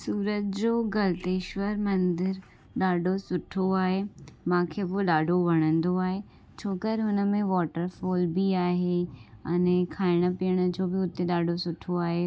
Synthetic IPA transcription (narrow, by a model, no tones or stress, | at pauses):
suːɾət̪̚d͡ʑoːɡɐlt̪eːʃʋəɾmɐ̃nd̪ɪɾ | ɗaːɖʱosʊʈʰoaːɦemãːkʰeːboɗaːɖʱoʋɐɽ̃ə̃nd̪oaːɦe | t͡ɕʰoːkəɾɦʊnəmẽʋɔːʈəɾfɔːlbiaːɦeɐnekʰaːɪɽ̃ə̆pijəɽ̃ə̆d͡ʑoːbɪʊt̪eɗaːɖʱosʊʈʰoaːɦe